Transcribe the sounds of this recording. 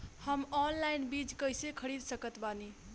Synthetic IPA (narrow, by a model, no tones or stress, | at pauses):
həmɔnlajnbid͡ʒkəjsekʰəɾid̪səkət̪bani